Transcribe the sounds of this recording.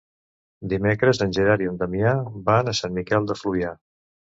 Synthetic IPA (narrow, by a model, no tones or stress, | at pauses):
d̪imekɾəzənʲʒəɾaɾiənd̪əmiabanəsanmikɛlˠd̪əfluja